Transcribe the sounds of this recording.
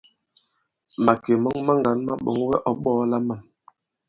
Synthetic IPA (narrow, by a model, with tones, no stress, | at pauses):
ma˨ke˨mɔ˦ŋma˦ŋɡa˨˦nma˦ɓɔ̰˨˦ŋ˦wɛ˦ʔɔ˨˦ɓɔː˦la˦ma˦˨m